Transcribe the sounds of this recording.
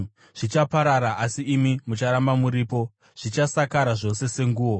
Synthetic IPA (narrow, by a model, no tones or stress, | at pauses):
ʐ̥it͡ʃapaɾaɾaʔasiːmimut͡ʃaɾambamuɾiːpo̞ | ʐ̥it͡ʃasakaɾaʐo̞sese̞ŋɡuːwo